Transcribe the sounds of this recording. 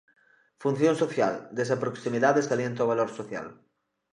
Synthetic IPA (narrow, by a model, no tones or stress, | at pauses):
fun̟θjõnsoθjald̪esapɾoksimiðaðeskaljẽnt̪aoβaloɾsoθja̰l